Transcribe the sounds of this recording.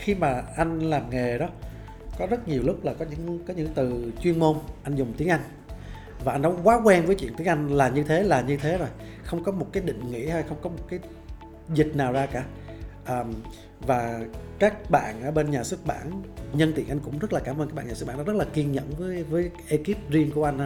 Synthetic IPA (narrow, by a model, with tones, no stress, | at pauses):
xi˧maː˨˩ʔa˧jŋ̟laː˨˩mŋe˨˩ɗɔ˨˦ | kɔ˨˦zə˦˥t̚ɲi˨˩əwlʊ˦˥k̚laː˨˩kɔ˨˦ɲɨ̰˧˥ŋkɔ˨˦ɲɨ̰˧˥t̪ɨ˨˩t͡ɕwi˧ənmo˧nʔa˧jŋ̟zʊ˨˩ŋ͡mt̪i˨˦əŋʔa˧jŋ̟ | vaː˨˩ʔa˧jnːɔ˨˦kwaː˨˦kwɛ˧nvəː˨˦t͡ɕwḭ˧˨nt̪i˨˦ŋʔa˧jŋ̟laː˨˩ɲɨ˧t̪ʰe˨˦laː˨˩ɲɨ˧t̪ʰe˨˦zo˨˩j | xə˧wŋ͡mkɔ˨˦mo˨˩t̚kaː˨˦jɗḭ̈˧˨ŋ̟ŋḭ˧˥h̪ʰa˧jxə˧wŋ͡mkɔ˨˦mo˨˩t̚kaː˨˦j | zï˨˩k̚naː˨˩wzaː˧kaː˧˩ | ʔəː˨˩m | vaː˨˩kaː˦˥k̚ɓa̰ː˧˨nʔəː˧˩ɓe˧nɲaː˨˩sɨ˦˥k̚ɓa̰ː˧˩nɲə˧nt̪ḭ˧˩ənʔa˧ŋ̟kʊ̰˧˥ŋ͡mzə˦˥t̚laː˨˩kaː˧˩mʔə˧nkaː˦˥ɓaː˧˩ɲaː˨˩˨ɓaː˧˨˩a˨˦z̚laː˨˩ki˧ənɲə̰˧˨nvəː˨˦jvəː˨˦jʔe˧ki˦˥p̚zi˧ənku˧˩əʔa˧jŋ̟a˧